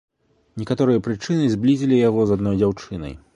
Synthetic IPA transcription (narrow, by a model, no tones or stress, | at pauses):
nʲɛkat̪ɔɾɨjɐpɾɨt͡ʂɨnɨzʲblʲizʲilʲijaɣɔzad̪nɔjd͡zʲawt͡ʂɨnɐ̰j